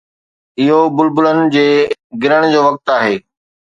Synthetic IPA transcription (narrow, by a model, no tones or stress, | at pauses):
ɪɦobʊlbʊlənɪ̆d͡ʑeːɡɪɾəɽ̃d͡ʑoːʋɐk̚t̪aːɦeː